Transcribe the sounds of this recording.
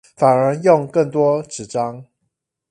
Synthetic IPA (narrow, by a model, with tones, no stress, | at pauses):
fa˨˩nə˨˧˥jʊ˥˨ŋkə˥˨ŋt̪wɔ˦ʈ͡ʂɻ̩˨˩ʈ͡ʂɑ˦ŋ